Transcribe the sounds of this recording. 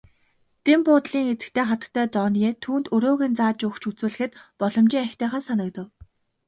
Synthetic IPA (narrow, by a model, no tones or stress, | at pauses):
t̪empʊːt̪ɮiːŋxet͡sɘ̥̆kt̪ʰeːχat̪ə̥̆kt̪ʰːæːt͡sɔneːt̪ʰuːnt̪ɵɾoːɣiːnt͡saːt͡ɕʊkt͡ɕʰut͡suːɮɘ̆xɘ̆t̪pɔɮɞ̆mt͡ɕiŋækʲt̪ʰæːχănsanə̆kt̪ə̆w